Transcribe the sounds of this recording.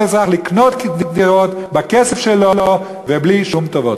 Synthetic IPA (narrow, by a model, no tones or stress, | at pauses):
ɪzaχlɪknɔtkdɪdɪʁɔtbakɛsɛfʃɛlɔlɔ | vɛbliʃumtɔvɔt